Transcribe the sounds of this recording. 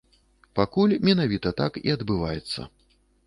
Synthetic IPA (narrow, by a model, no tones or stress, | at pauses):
pakulʲmʲɛnavʲit̪ɐt̪akḭɐd̪bɨvajɛt̪sːɐ̰